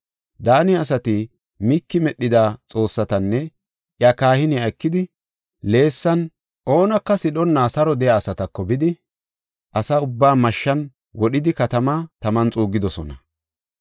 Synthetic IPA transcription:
d̪aːnɪɐs̬ɐt̪ɪ | mikːɪmɛɗːɪd̪at͡sʼo̞ːsːɐt̪ɐnːɛ | ʔjɐkaːhɪnɪɐjkːɪd̪ɪ | le̞ːsːɐn | ʔo̞ːnɐkːɐsɪɗɔnːaːsɐɾɔd̪ɛjaːsɐt̪ɐkːɔbɪd̪ɪ | ʔɐsɐʊbːaːmɐʃːɐn | wɔɗɪd̪ɪkɐt̪ɐmat̪ɐmɐnt͡sʼuːɡɪd̪ɔsɔnɐ

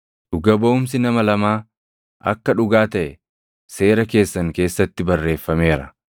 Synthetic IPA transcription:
ᶑʊɡɐboʊms̬ɪnɐmɐlɐmaː | ʔɐ̰kːɐᶑʊɡaːt̪ɐʔɛ | se̞ːɾɐke̞ːsːɐŋke̞ːsːɐt̪ːɪbɐrːe̞ːfːɐme̞ːɾɐ

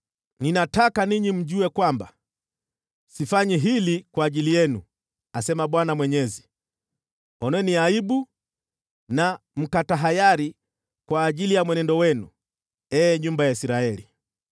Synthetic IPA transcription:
ninatakaniɲim̩ʄuɛkwamba̰ | sifaɲɛɦilikwaːʄilijɛnu | asɛmaɓwanamwɛɲɛzi | ɔnwɛniaiɓu | nam̩kataɦajaɾi | kwaːʄilijamwɛnɛndɔwɛnṵ | ɛːɲumbajaisiɾaɛli

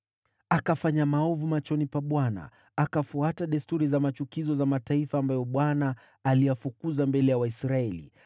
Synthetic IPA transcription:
akafaɲamaɔvumat͡ʃɔnipaɓwana̰ː | kafuataɗastuɾizamat͡ʃukizɔzamataifaːmbajɔɓwanaː | lijafukuzambɛlɛjawaisɾaɛlḭ

